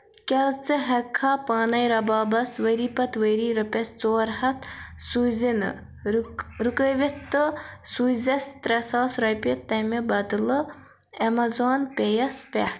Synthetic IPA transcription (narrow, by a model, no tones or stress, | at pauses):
kʲɐzt͡sɨɦɐkʰːaːpɐːnɐjɾɐbaːbɐsʋɐɾiːpɐt̪ʋəɾiːɾɐpʲest͡soːɾhɐt̪suzinɨ̰ | ɾukəʋet̪ːɨsuzɐst̪ɾɐsaːsɾɐjpʲit̪ːɐmebɐd̪ɨlɨ | ɐmɐzoːnpʲejɐspʲḛ